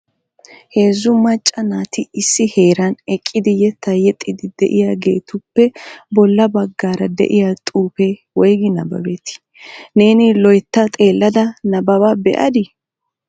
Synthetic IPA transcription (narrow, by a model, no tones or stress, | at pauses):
he̞ːzːʊmɐt͡ʃʼːɐnaːt̪ɪɪsːɪhe̞ːɾɐnɛkʼːɪd̪ɪjɛt̪ɐjɛt̪ʼːɪd̪ɪd̪ɛ̰ʔɪjaːɡe̞ːt̪ʊpːɛbɔlːɐbɐɡːaːɾɐd̪ɛ̰ʔɪjat̪ʼuːpewɔjɡɪnɐ̰bɐ̰bet̪ɪ̥ | ne̞ːnɪlɔjt̪ːɐt̪ʼe̞ːlːɐd̪ɐnɐbɐbɐbɛ̰ʔɐ̰d̪ɪ